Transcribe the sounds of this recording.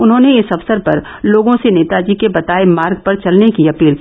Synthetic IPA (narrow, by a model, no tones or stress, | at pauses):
ʊnɦõːneɪsɐfsəɾpɐɾ | loːɡõseneːt̪ad͡ʒikebɐt̪aːemaːɾɡ̚pɐɾt͡ʃɐlnekiɐpiːl